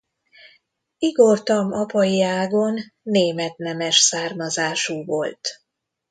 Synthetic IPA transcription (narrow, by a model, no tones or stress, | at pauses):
iɡort̪ɒmɒpɒjiaːɡo̞nːeːmɛt̪nɛmɛʃsaːrmɒzaːʃuːvo̞lt̪